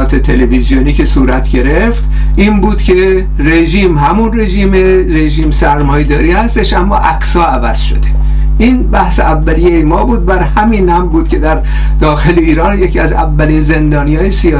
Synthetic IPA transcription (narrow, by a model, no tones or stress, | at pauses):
t̪ʰet̪ʰelevizijoniːcʰe̞suːɾæt̪ʰɟe̞ɾeft̪ | ʔiːnbuːd̪̥cʲʰe̞ | re̞ʒiːmɦæmunre̞ʒiːmeɾe̞ʒiːmsæɾmɒːjed̪ɒːɾiːhæst̪e̞ʃʔæmːɒ̰ːʔæksɒːævæz̥ʃo̞̰d̪e̞ | ʔiːnbæhseævːælijejemɒːbuːd̪̚bæɾhæmiːnæmbuːd̪̥̚kʲcʰe̞d̪æɾ | d̪ɒːxe̞leiːɾɒːnjecʰiæzæ̰vːæliːnze̞nd̪ɒːnijɒːjesiɒː